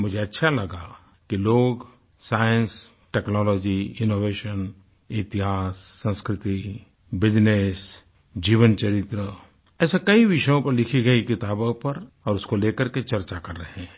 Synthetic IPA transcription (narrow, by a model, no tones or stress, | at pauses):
mʊd͡ʒʱeɐtːʃʰalɐɡa | kiloːɡ | saːjə̃ns | ʈɛːknɔːlɔːd͡ʒiɪnoːʋeːʃən | ɪt̪ɪɦaːsːə̃nskɾɪt̪i | bɪd͡ʒnes | d͡ʒiːʋənt͡ʃɐɾɪt̪ɾə | ɛːsekɐiʋɪʃəjõpɐɾlɪkʰiɡɐikɪt̪aːbõpɐɾ | ɔːɾʊskoleːkəɾket͡ʃɐɾt͡ʃakɐɾːɐɦẽ